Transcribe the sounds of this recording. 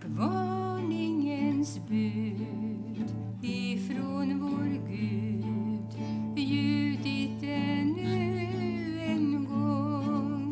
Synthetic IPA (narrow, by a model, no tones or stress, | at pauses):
vɑɳɪŋənsbʉ | d̪ | ɪfɾonvoɾɡʉ | d̪ | jʉ̟ːd̪ɪt̪ɛnʉ | ɛnɡɔ